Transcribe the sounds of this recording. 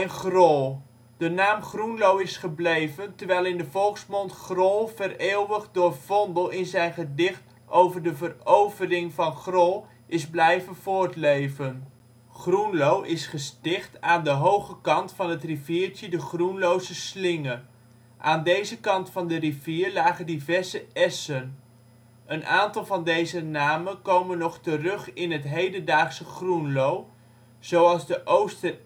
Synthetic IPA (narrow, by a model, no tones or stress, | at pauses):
nχrɔlˠ | d̥ənaːmχrunlowɪsχəblejvəntəɹʋɛjlˠɪndəvɔlˠksmɔntχrɔlˠvəreːlʋəχdʊːrv̥ɔndəlˠɪnzɛjnχədɪχt | ʔowvəɹdəvərowvərɪŋvɑnχrɔlˠ | ʔɪzblɛjvənvʊːɹtlejvən | χrunlowʔɪsχəstɪχtaːndəɦowχəkɑntfɑnɦətriviːɹtədəχrunlowzəslɪŋə | ʔaːndejzəkɑntfɑndəriviːɹlaːχəndivɛɹzəɛsən | ʔənʔaːntɑlˠvɑndejzənaːmənkowmənːɔχtərɵχɪnɦətɦejdəndaːχsəχrunlow | z̥owɑlˠzdəʔowstə